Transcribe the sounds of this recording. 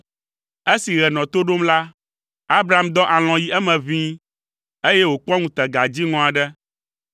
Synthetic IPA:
e˦si˨ɣɛ˨nɔ̃˨t̪o˦ɖo˦mla˦ | a˦bɾa˨a˦md̪ɔ̃˦ʔa˨l̃ɔ̃˨ji˦ɛ˦mɛ̃˨vĩ˦ | e˦jɛ˦wo˨k͡pɔ̃˦ŋũ˦t̪ɛ˨ɡa˨d͡ʑi˦ŋɔ̃˦a˨ɖɛ˦

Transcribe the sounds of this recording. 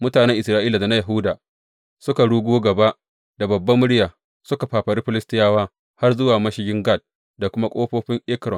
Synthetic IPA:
mʊ˦taː˨nɛ˦ŋʔɪ˨sɾaː˦ʔiː˦la˨da˨na˦jɐ˨ɦʊ˦daː˨ | sʊ˦ka˨ɽuː˦ɡʷoː˦ɡɐ˨ba˦ʔ | da˨bɐ˨bːɐ˦mʊ˦ɽɪ˦jaː˨ | sʊ˦ka˨ɸaː˨ɸɐ˨ɾi˦ɸɪ˦lɪ˦stɪ˦jaː˦waː˦ | ha˦rzʊ˦waː˨mɐ˦ʃɪ˦ɡʲɪ˦ŋɡa˦˨d̚ | da˨kʷʊ˦ma˦kʷʼoː˦ɸoː˦ɸɪ˦ŋʔɪ˦kɾɔ˨

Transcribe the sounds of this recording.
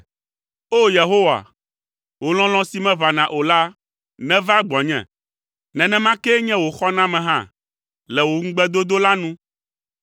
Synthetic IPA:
o˦je˨ɦo˦wa̰˨ | wo˨l̃ɔ̃˦lɔ̃˦si˨˦mɛ̃˦va˨nã˨ʔo˨la˦ | nɛ̃˦va˦ɡ͡bɔ˨ɲɛ̰̃˨ | nɛ̃˨nɛ̃˦mã˦kɛ˦ɲɛ̃˦wo˨xɔ˦nã˦mɛ̃˨ɦã̰˦˨ | lɛ˨wo˨ŋ̩˦ɡ͡bɛ˦d̪o˦d̪o˦la˦nũ˦

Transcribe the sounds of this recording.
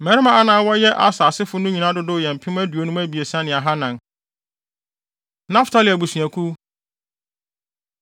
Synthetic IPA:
mɛ˨ɾɪ˦mã˨a˦nãː˨˦wɔ˦jɛ˦ʔa˦saː˨sɪ˦fʊ˦nʊ̃˦ɲĩ˨nã˦dʊ˦dʊ˦jɛ˨m̩˨pʰɪ̃˦m˦æ˦du˨o˨˦nũ˦mæ˦bi˨e˨sã˦nɪ̃˨a˨ɦa˦nã˨n | nã˦ftʰa˦lɪ˨æ˨bu˨sũ˨æ˨kʰu˦

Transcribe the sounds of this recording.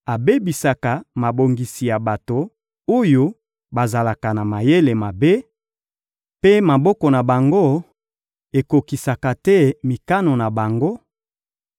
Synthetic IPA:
a˨be˦bi˨sa˨ka˨ma˨bo˨ŋɡi˨si˨ja˨ba˨to˨ | o˦jo˦ | ba˨za˨la˨ka˨na˨ma˨je˦le˨ma˨be˦ | pe˦ma˨bɔ˦kɔ˨na˨ba˨ŋɡo˦ | e˨ko˨ki˨sa˨ka˨tɛ˦mi˨ka˦no˨na˨ba˨ŋɡo˦

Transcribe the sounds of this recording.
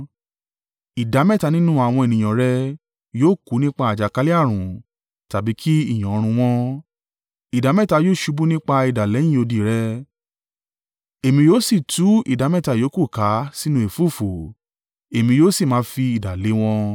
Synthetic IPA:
i˨da˨˦mɛ̃˦˨ta˨˧nĩ˦nũ˦a˨w̃ɔ̃˧e˨nĩ˨j̃ã˨ɾɛ˧˦ | joː˦ku˨˦nĩ˦k͡pa˧a˨d͡ʒa˨ka˧˦li˦a˦˨ɾ̃ũ˨ | ta˨bi˨˦kʰi˦i˦˨j̃ã˨o˨˧ɾ̃ũ˧w̃ɔ̃˧ | i˨da˨˦mɛ̃˦˨ta˧joː˦˨ʃu˧˦bu˦nĩ˦k͡pa˧i˨da˨le˨˦j̃ĩ˦o˧di˧ɾɛ˦ | e˨mĩ˧joː˦si˦˨tu˨˦ḭ˦˨da˨˦mɛ̃˦˨ta˧joː˨˦ku˦˨ka˨˦si˦nũ˧˦e˨fu˦˨fo˨ | e˨mĩ˧joː˦si˦˨mãː˨˦fi˧i˨da˨le˨˦w̃ɔ̃˧

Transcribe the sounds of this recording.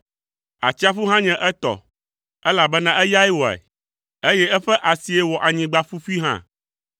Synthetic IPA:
a˨t͡ɕi˦a˦fu˦ɦã˦ɲɛ̃˨ʔɛ˦t̪ɔ̰˨ | ɛ˦la˨bɛ˦nã˨ʔɛ˦ja˦i˦wɔ˨ɛ̰˨ | e˦jɛ˦ɛ˦ɸɛ˦ʔa˨si˨ɛ˦wɔ˨ʔa˨ɲĩ˨ɡ͡ba˦fu˦fi˦ɦã̰˦˨

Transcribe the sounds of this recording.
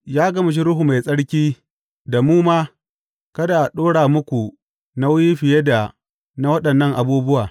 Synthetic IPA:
jaː˦ɡɐ˦mɪ˨ʃ̬i˦ɾʊ˦ɦu˨ma˨jsʼɐ˦ɽkʲiː˦ | da˨muː˦maː˦ | kɐ˦da˨ʔa˨ɗoː˦ɽaː˨mʊ˦kʷu˨ | na˦wji˦ɸɪ˨je˦da˨ | na˦wɐ˦ɗɐ˨nːɐ˦˨ŋʔa˨buː˦bʊ˦waː˨

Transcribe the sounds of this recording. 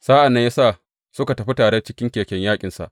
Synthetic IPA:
saː˦ʔa˨nːɐ˦jaː˦saː˦˨ | sʊ˦ka˨tɐ˨ɸi˦taː˨ɽe˦t͡ʃɪ˦kʲɪ˦ŋkʲeː˨kʲɛ˦ɲjaː˦kʲʼɪ˨nsa̰˨ʔ

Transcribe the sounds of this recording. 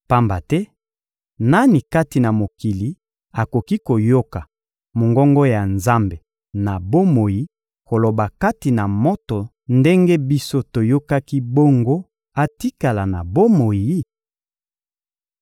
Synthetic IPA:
pa˦mba˨tɛ˦ | na˦ni˨ka˦ti˨na˨mo˨ki˨li˨ | a˨ko˨ki˦ko˨jo˦ka˨ | mo˨ŋɡɔ˦ŋɡo˦ja˨nza˦mbe˨ | na˨bo˦mo˨ji˦ | ko˨lo˨ba˨ka˦ti˨na˨mo˦to˨ | nde˦ŋɡe˦bi˦so˦to˨jo˦ka˦ki˦bo˦ŋɡo˦ | a˦ti˦ka˨la˨na˨bo˦mo˨ji˦

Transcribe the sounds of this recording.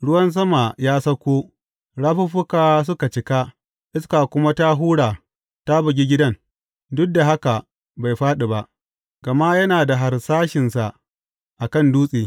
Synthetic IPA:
ɽʊ˦wɐ˦ns̬ɐ˦ma˨jaː˦sɐ˦kʷoː˦ | ɽaː˦ɸʊ˦ɸʊ˦kaː˨s̬ʊ˦ka˨t͡ʃɪ˦ka˦ | ʔɪ˦ska˨kʷʊ˦ma˦ta˦ɦuː˦ɽaː˨ | ta˦bʊ˨ɡʲi˦ɡʲɪ˦dɐ˦n | dʊ˦k̚da˨ɦa˦ka˨ | ba˨jɸaː˦ɗi˨ba˦ʔ | ɡ̥ɐ˨ma˦jɐ˦naː˨da˨ɦa˨rsaː˦ʃɪ˨nsa˨ʔ | ʔa˨kɐ˦˨nduː˦sʼiː˨

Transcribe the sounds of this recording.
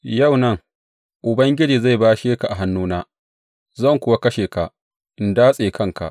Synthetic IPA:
ja˦˨wnɐ˦˨ŋ | ʔʊ˨bɐ˦ŋɡʲɪ˦d͡ʒiː˨za˦˨jbaː˦ʃeː˦ka˨ʔa˨ɦa˦nːuː˦naː˦ | zɐ˦˨ŋkʷʊ˦wa˦kɐ˦ʃeː˨ka˨ | ʔɪ˨ndaː˦sʼeː˨kʰɐ˦˨ŋka̰˨ʔ

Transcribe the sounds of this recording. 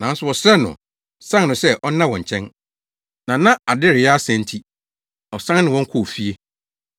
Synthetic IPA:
nã˨˦n˦sʊ˨wɔ˨sɛ˦nʊ̰̃˨ | sã˦nnʊ̃˨sɛ˦ʔɔ˦nã˦wɔ̃˨ɲ̩˨t͡ɕʰɛ̃˦n | nã˨nã˦ʔa˨dɪ˦ɾɪ˨ɛ˦a˦sɛ̃˨n̩˦tʰi˦ | ɔ˨sã˦nnɪ̃˨wɔ̃˦ŋ˦kʰʊ˦˨fi˦e˦

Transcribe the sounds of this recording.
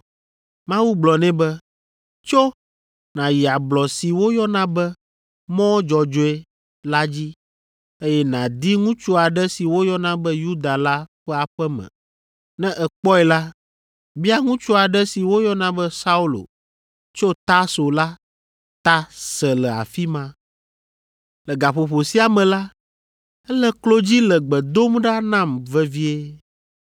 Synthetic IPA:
mã˦wu˦ɡ͡blɔ˨nɛ̃˦bɛ˦ | t͡ʃo˦ | nã˨ji˨a˨blɔ˨si˨wo˦jɔ˦nã˦bɛ˦ | mɔ̃˦d͡ʒɔ˨d͡ʒo˦ɛ˦ | la˦d͡ʑi˦ | e˦jɛ˦nã˨d̪i˦ŋũ˦t͡ʃu˦a˨ɖɛ˦si˨wo˦jɔ˦nã˦bɛ˦ju˦d̪a˨la˦ɸɛ˦a˨ɸɛ˦mɛ̰̃˨ | nɛ̃˦ʔɛ˨k͡pɔ˦ɛ˨la˦ | bi˦a˦ŋũ˦t͡ʃu˦a˨ɖɛ˦si˨wo˦jɔ˦nã˦bɛ˦sa˦u˦lo̰˨ | t͡ʃo˦t̪a˦so˨la˦ | t̪a˦sɛ˨lɛ˨a̰˨fi˦mã˦ | lɛ˨ɡa˨ɸo˨ɸo˨si˦a˨mɛ̃˨la˦ | ɛ˦lɛ˦klo˦d͡ʑi˦lɛ˨ɡ͡bɛ˨d̪o˦mɖa˦nã˦˨mvɛ˦vi˦e˦

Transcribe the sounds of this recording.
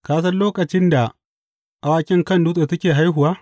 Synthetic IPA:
kaː˦s̬ɐ˦nloː˦kʼɐ˨t͡ʃɪ˦nda˨ | ʔa˨waː˦kʲʼɪ˦ŋkɐ˦˨nduː˦sʼe˨tɐ˦kʲeː˨ɦa˦jɦʊ˨waː˦

